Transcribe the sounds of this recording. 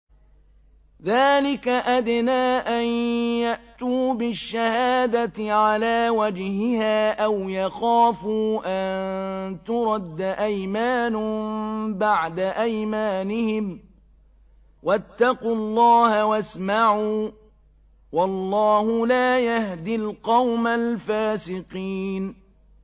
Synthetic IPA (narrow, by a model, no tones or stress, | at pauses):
ðaːlɪkaʔad̪naːʔanjaʔt̪uːbɪʃːahaːd̪at̪ʕalaːwad͡ʒhɪhaːʔawjaxaːfuːʔannt̪ʊɾˤɑd̪ːaʔajmaːn | baʕd̪aʔajmaːnɪhɪm | wʔat̪ːɑqulˤːɑːhawasmaʕuː | wɑlˤːɑːhʊlaːjahd̪ɪlqɑwmalfaːsɪqiːn